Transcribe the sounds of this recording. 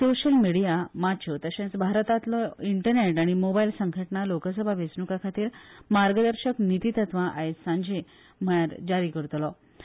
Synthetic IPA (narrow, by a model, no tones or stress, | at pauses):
soɕəlmiɽijamat͡ɕʰot̪əɕãt͡sbʱaɾt̪at̪lɔiɳʈəɾneʈaɽ̃imobailsəŋɡʱəʈnalokəsəbʱaʋesnukakʰat̪iːɾmaɾɡəd̪əɾɕəknit̪it̪ət̪ʋãʔaɦesãɲd͡ʑʱe | m̤əɭaɾd͡ʑaɾikəɾt̪lɔ